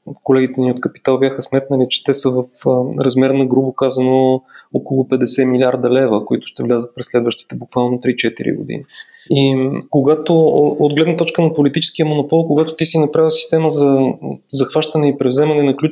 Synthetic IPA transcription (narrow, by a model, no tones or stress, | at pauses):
kolɛɡʲit̪ɛniot̪kəpi̥t̪alˠbʲjaxəsmɛt̪nəlit͡ʃɛ̥t̪ɛsəvəfɾɐzmɛɾnɐɡɾubokazɐnookolˠʊpɛd̪ɛsɛmilʲiaɾd̪ɐlɛvəkoit̪ʊ̥ʃt̪ɛvlʲazət̪̚pɾɛslɛd̪vəʃt̪i̥t̪ɛbukvalˠnot̪ɾit͡ʃɛt̪ḭɾḭɡo̰d̪ḭni | ikoɡat̪ood̪ɡlɛd̪nt̪ɔt͡ʃkənɐpolit̪it͡ʃɛ̥skijəmonʊpɔlˠkoɡat̪ʊt̪isinɐpɾavəsi̥st̪ɛməzɐzɐxvaʃt̪ənɛipɾɛvzɛmɐnɛnɐklʲu